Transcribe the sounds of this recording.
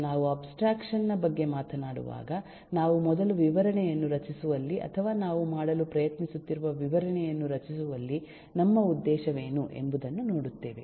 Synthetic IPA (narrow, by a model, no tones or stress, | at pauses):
naːʋuɐbsʈɾaːkʂɐnːɐbɐɡːe̞maːt̪ʰɐnaːɽṵʋa̰ːɡɐ | naːʋumɔd̪ɐluʋiʋɐɾɐɳɛjɐnːuɾɐt͡ʃisuʋɐlːiʔɐ̰t̪ʰɐʋaːnaːʋumaːɽɐlupɾɐjɐt̪nisut̪ːiɾuʋɐʋiʋɐɾɐɳɛjɐnːuɾɐt͡ʃisuʋɐlːi | nɐmːɐud̪ːɛːʃɐʋe̞ːnuʔe̞̰mbud̪ɐnːuno̞ːɽut̪ːeːʋe̞